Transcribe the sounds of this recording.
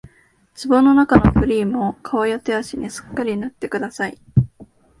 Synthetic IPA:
t͡sɨbo̞no̞nakano̞̰ɸɯ̟ɾʲiːmo̞kʰaβajat̪eaɕinisɨ̥kːaɾʲinat̪ːe̞kɯ̟d̪asai

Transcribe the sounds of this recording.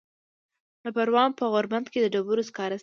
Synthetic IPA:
d̪əpaɾwɑmpəɣoɾband̪ked̪əɖabuɾoskɑɾas

